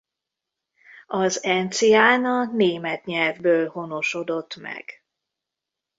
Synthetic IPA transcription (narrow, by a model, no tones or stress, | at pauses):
ɒzɛnt̪sijaːnɒneːmɛt̪ɲɛlvbøːlho̞no̞ʃo̞d̪o̞t̪ːmɛ̰ɡ̥